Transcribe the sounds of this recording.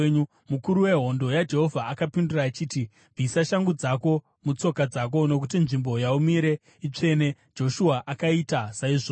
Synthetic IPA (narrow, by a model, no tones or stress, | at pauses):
ɲu | mukuɾuwe̞ɦo̞ndo̞jad͡ʒe̞ɦo̞vʱaːkapinduraːt͡ʃiːti | b͡visaʃaŋɡud͡zako̞ | mut͡so̞kad͡zak̬o̞no̞k̬ut̬inʐimbo̞jaumiɾe̞ | it͡ʂe̞ne̞ | d͡ʒo̞ʃuaʔakaitasaiʐo